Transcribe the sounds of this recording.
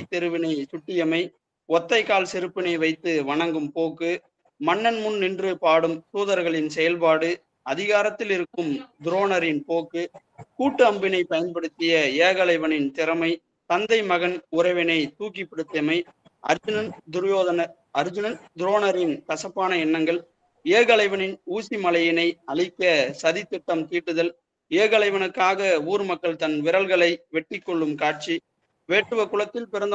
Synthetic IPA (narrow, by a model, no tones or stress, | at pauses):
ɪt̪ːɛɾɯʋɪnɐɪsʊʈːɪjɐmɐɪ | ɔt̪ːɐɪkːaːlsɪɾɯpːɪnɐɪʋɐɪt̪ːɯʋɐɳɐŋɡɯmpoːkːɯ | mɐnːɐnmʊnnɪndrɯpaːɽɯmsuːðɐɾɣɐɭɪnsɛjɐlpaːɽɯ | ɐðɪɣaːɾɐt̪ːɪlɪɾɯkːɯmd̪ʊɾoːnɐɾɪnpoːkːɯkuːʈːɯɐmbɪnɐɪpɐjɐnpɐɽɯt̪ːɪjɐeːɣɐlɐɪʋɐnɪnt̪ɪɾɐmɐɪ | t̪ɐnd̪ɐɪmɐɣɐnʊɾɐɪʋɪnɐɪt̪uːkːipːɐɽɯt̪ːɐmɐɪ | ʔɐ̰ɾd͡ʒɯnɐnd̪ʊɾjoːðɐnɐɾ | ɐɾd͡ʒʊnɐnd̪ɪɾoːnɐɾɪnkɐsɐpːaːnɐɛnːɐŋɡɐɭ | eːɣɐlɐɪʋɐnɪnuːsimɐlɐjɪnɐɪɐɭɪkːɐsɐðɪt̪ːɪʈːɐmk̪iːʈːɯðɐl | eːɣɐɭɐɪʋɐnɯkːaːɣɐuːɾmɐkːɐɭt̪ɐnʋɪɾɐlɣɐɭɐɪʋɛʈːɪkːɔɭːɯmkaːʈ̚t͡ʃi | ʋeːʈːɯʋɐkʊɭɐt̪ːɪlpɪɾɐnd̪